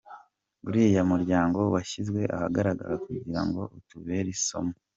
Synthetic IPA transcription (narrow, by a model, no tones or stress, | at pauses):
βuɾijamuɾɟaːŋɡo̞waʃizɡwe̞ʔahaɡaɾaɡa̰ɾakuɟiɾa̰ŋɡo̞ʔutuβe̞ɾiso̞̰mo